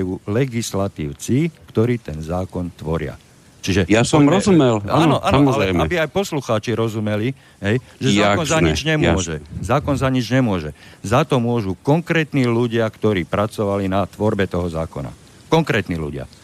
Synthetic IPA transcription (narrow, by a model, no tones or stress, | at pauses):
juːlɛɡislat̪iːʊt͡sikt̪ɔɾiːt̪ɛnzaːkɔnt̪ʋɔɾɪa̰ | t͡ʃiʒɛjasɔmɾɔzumɛlaːnɔʔa̰ːnɔɔalɾɛɛjmaɛbiajpɔsluxaːt͡ʃiɾɔzumɛli | ɦɛjʒɛzːaɔnzaɲid͡ʒɲɛmʊɔʒɛzaːkɔnzaɲid͡ʒɲɛmʊɔʒɛzat̪ɔmʊɔʒukɔŋkɾɛːt̪niːluɟɪakt̪ɔɾiːpɾat͡sɔʋalinat̪ʋɔɾbɛt̪ɔɦɔzaːkɔna̰ | kɔŋkɾɛːt̪niːlṵɟɪa̰